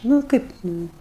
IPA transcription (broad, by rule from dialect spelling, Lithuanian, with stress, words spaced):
ˈnʊ ˈkɐɪp ˈnʊ